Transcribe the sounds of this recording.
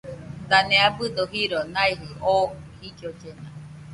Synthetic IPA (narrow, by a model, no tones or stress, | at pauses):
d̪aneabɯd̪oɦiɾonaiɦɯʔohikjod͡ʒena